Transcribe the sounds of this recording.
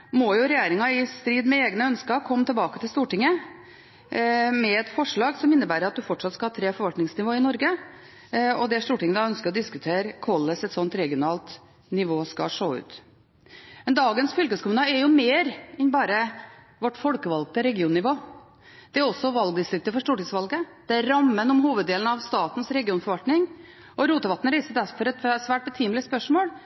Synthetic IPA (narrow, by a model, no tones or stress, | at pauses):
mɔjʊɾɛjeːɾɪŋɑɪst̪ɾiːd̪mɛeːɡnəœnskəɾkʰɔmːt̪ʰɛlbɑːkət̪ʰɪlst̪uːʈɪŋːə | mɛɛt̪fɔʂɭɑːɡsɔmɪnːəbæːɾəɾɑt̪̚d̪ʉfɔʈʂɑt̪skɑhɑːt̪ʰɾeːfɔɾʋɑlt̪nɪŋsnɪʋoːɪnɔɾɡə | ɔd̪ɛʂt̪uːʈɪŋːəd̪ɑːœnskəɾɔd̪ɪskʉt̪ʰeːɾkʰɔlːəsɛt̪sɔnt̪ɾɛɡɪʊnɑːlt̪ | nɪʋoːskɑ̰ʂoːʉ̰ːt̪ | mɛnd̪ɑːɡənsfʏlkəskʰʊmʉnɑɛɾjʊmeːɾɪnbɑːɾə | ʋɔʈːfɔlkəʋɑlɡ̚t̪əɾɛɡɪuːnnɪʋoː | d̪̥ɛæɾɔsːɔʋɑlɡd̪ɪst̪ɾʏk̚t̪əfɔʂʈ̪uːʈɪŋsfʋɑlɡəd̪̥ɛæɾɾɑmːənɔmhuːʋəd̪eːlnɑʋst̪ɑːt̪n̩sɾɛɡɪuːnfɔɾʋɑlt̪nɪŋ | ʔɔɾuːt̪əʋɑt̪ːnəɾæɪsəɾd̪æɾfɔɾɛt̪sʋæːʈ̚bɛt̪ʰiːmlɪəspœʂmoːl